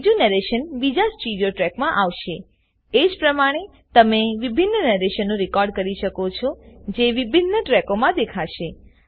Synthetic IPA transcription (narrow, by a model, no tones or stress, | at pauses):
d͡ʒunəɾeʃənbid͡ʒasʈiɖjoʈɾɛkmãʔaʋʃe | ed͡ʒpɾəmaɽ̃e | t̪əmeʋibʱinːənɛɾeʃənːũɾɪkɔɾɖkəɾiʃəkot͡ʃʰɔd͡ʒeʋibʱinːəʈɾɛkomãd̪ekʰaʃe